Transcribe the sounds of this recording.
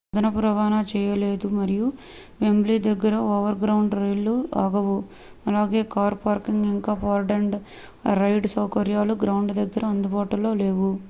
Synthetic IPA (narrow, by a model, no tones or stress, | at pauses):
d̪ɐnɐpɾɐʋaːnat͡ʃɛːjɐle̞ːd̪umɐɾiju | ʋembliːd̪ɐɡːɐɾɐɔːʋɐɾɡɾɐwuɳɖɾɐjlːuaːɡɐʋu | ɐlaːɡe̞ːkaːɾpaːɾkiŋɡiŋkaːpaːɾɖeɳɖ | ɾɐjɖsɐwkɐɾjaːluɡɾɐwɳɖd̪ɐɡːɐɾɐːnd̪ubaːʈulo̞ːleːʋu